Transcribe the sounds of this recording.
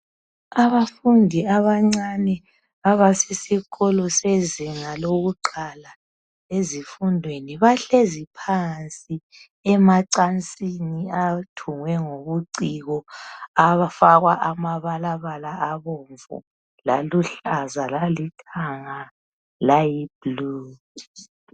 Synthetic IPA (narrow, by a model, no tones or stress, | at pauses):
aβafundʱiaβaŋ͡ǀanɛ | βaβasisiɣɔlɔseziŋaloɣuǃala | ezifundʱweniβaɬezipʰant͡sʼi | ɛmaǀant͡sʼiniatʰuŋwɛŋoβuǀiɣɔafaɣwaʔamaβalaβalaʔaβoɱvṵ | la̰luɬazalalitʰaŋa | lajib̥lu